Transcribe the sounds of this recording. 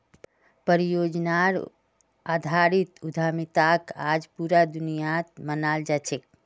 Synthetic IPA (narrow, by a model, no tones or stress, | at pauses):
pəɾijod͡ʒnaɾ | ad̪ʱaɾit̪ud̪ʱamit̪aka̰d͡ʒpuɾad̪unijat̪mənald͡ʒat͡ʃʰek̚